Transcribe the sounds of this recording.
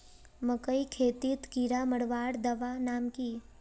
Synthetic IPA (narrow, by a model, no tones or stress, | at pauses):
məkəikʰeːt̪it̪kiɾaməɽʋaːɽd̪ɐʋanaːmkiː